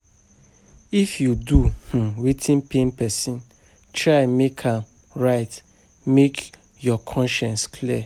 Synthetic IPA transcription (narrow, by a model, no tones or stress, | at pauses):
ifjuduh̩witʰĩnpẽnpɛsĩn | tɹaɪmekʰãm | ɹaɪt | mek | jɔkʰɔ̃nʃɛ̃nskʰliɛ